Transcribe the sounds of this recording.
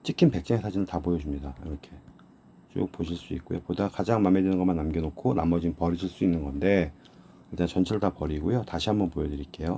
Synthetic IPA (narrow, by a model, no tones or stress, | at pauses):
t͡ɕ͈ikʰimpe̞k̚s͈eŋesʰad͡ʑʰinɯntapojʌd͡ʑumɲidaiɾʌkʰe̞ | t͡ɕo̰k̚poɕʰiɭs͈uḭk̚k͈ojo̰podakad͡ʑaŋmamedenɯnɡʌmanːamɡenokʰonamʌd͡ʑimpʌɾiɕʰiɭs͈uinːɯnɡʌnde̞ | iɭt͈ant͡ɕʌnt͡ɕʰeɾɯɭtapʌɾiɡojotaɕʰiɦambʌnpojʌdɯɾik͈e̞jo